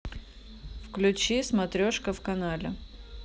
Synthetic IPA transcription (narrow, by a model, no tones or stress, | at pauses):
fklʲʉt͡ɕismɐt̪ɾʲoʂkəfkɐnalʲɪ